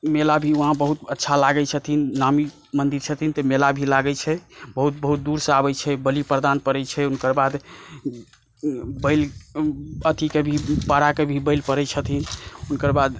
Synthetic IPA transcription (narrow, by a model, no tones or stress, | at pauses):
melabʱiuɦãbəɦut̪̚ətːʃʰalaɡɛt͡ʃʰət̪ʰinnami | mənd̪iɾt͡ʃʰət̪ʰint̪ɔmelabʱilaɡɛt͡ʃʰɛbəɦut̪̚bəɦut̪̚d̪uɾsə̃abɛt͡ʃʰɛbəlipɾəd̪anpəɾɛt͡ʃʰɛunkəɾbad̪ | bəɪl | ət̪ʰikebʱipaɾakebʱibəɪlpəɾɛt͡ʃʰət̪ʰinunkəɾbad̪